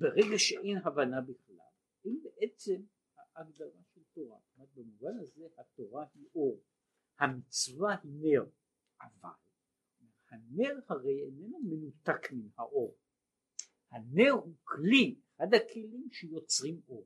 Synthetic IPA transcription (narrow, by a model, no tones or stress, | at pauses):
beʁeɡaʃeʔejnɦavanabiχla̰l | imbeʔe̞t͡se̞m | haʔːɡdaʁaʃelt̪oʁa̰mat̪̚bemuvanhazehat̪oʁahiʔo̞ʁ | hamit͡svahine̞ʁ | ʔava̰l | hane̞ʁhaʁe̞jenenumenut̪akminhaʔoʁ | haneʁhukliʔad̪akʰelimʃejo̞t͡sʁimo̞ʁ